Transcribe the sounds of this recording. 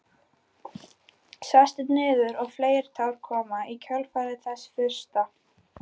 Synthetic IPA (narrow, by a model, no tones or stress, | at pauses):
sast̪ɪt̪nɪːðʏɾɔɣfleːjɾ̥t̪ʰawɾ̥kʰɔːmaicʰœlfaːɾɪθɛsːfʏr̥st̪a